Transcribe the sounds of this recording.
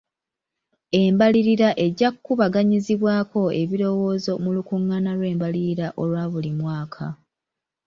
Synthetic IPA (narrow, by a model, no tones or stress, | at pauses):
e̞mbaliɾiɾaʔe̞ɟakkːuβaɡaɲiziβwaːko̞e̞βiɾo̞wo̞ːzo̞mulukuŋːanalwe̞ːmbaliɾiɾaʔo̞lwaːβulimwaːkʰa̰